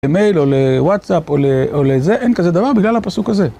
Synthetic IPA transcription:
eme̞jlo̞lewat̪sapoleʔolezeʔenkazed̪avaʁbiɡlalhapasukhaze̞

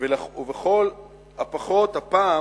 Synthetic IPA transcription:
velaveχol | hapaχo̞t̪hapa

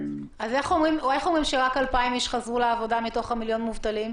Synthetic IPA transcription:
azeχomʁimulajχomʁimʃeʁakalpaimiʃχazʁuleavo̞damito̞χamiljo̞nmuvtalim

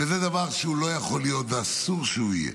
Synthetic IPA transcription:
vezed̪avaʁʃeulo̞jaχo̞lijo̞t̪veasuʁʃeuijḛ

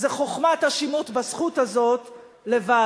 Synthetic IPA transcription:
zeχoχmat̪haʃimut̪basχut̪hazo̞t̪ | leva

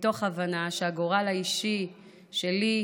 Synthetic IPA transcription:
to̞χavanaʃeaɡo̞ʁalaiʃi | ʃe̞li

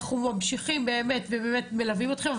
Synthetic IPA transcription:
χumamʃiχimbeːme̞t̪vebemet̪me̞lavimo̞t̪χe̞mav

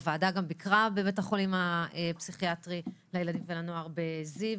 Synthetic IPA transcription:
vaːdaɡambikʁabemethaχolimaepsiχiatʁilajelad̪imvelanoaʁbeziv

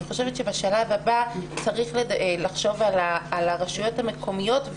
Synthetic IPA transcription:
iχo̞ʃe̞vetʃe̞baʃalavhabat͡saʁiχlelaχʃo̞valaːlaʁaʃujo̞thame̞kʰo̞mijo̞t

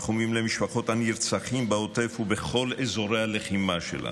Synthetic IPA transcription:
χumimlemiʃpaχo̞t̪aniɾt͡saχimbaot̪efhubeχo̞lezo̞ɾealeχimaʃḛlʔa̰

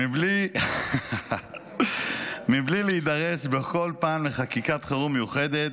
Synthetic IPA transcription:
ibli | miblileid̪ɐʁesbeko̞lpaːmleχakikat̪χaʁumejuχed̪et̪

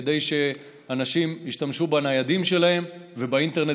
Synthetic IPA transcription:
d̪e̞jʃe̞ | anaʃimiʃtamʃubanajad̪imʃe̞lahe̞mvebaint̪eʁne

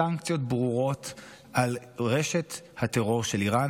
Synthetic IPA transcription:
aŋkt͡sijo̞t̚bʁuʁo̞t | ʔal | ʁeʃe̞t̪ | hateʁo̞ʁʃe̞liʁan

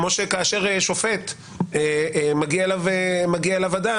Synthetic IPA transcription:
moʃekaːʃe̞ʁeʃo̞fet̪ | emaɡiaelavemaɡiaelavad̪a

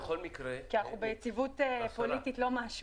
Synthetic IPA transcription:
χolmikɾekiaχubejet͡sivutepo̞lititlo̞maʃ

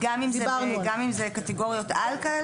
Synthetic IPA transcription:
ɡamimzeɡamimzekateɡo̞ʁjo̞talkae

